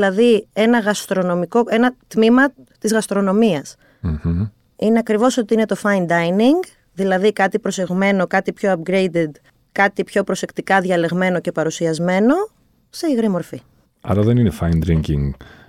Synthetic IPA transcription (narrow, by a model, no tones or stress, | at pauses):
lɐðie̞nɐɣɐst̪ɾo̞no̞miko̞e̞nɐt̪mimɐ | t̪izɣɐst̪ɾo̞no̞miɐs | m̩h̩ | ine̞ɐkɾivo̞so̞t̪iine̞t̪o̞fɐjnd̪ɐjniŋɡ | ðilɐðikɐt̪ipɾo̞se̞ɣme̞no̞kɐt̪ipço̞ɐpɡɾe̞jd̪ed̪ | kɐt̪ipço̞pɾo̞se̞kt̪ikɐðʝɐle̞ɣme̞no̞ce̞pɐɾusiɐzme̞no̞ | se̞iɣɾimo̞ɾfi | ɐ̰ɾɐðe̞nine̞fɐjnd̪ɾiɲcḭŋɡ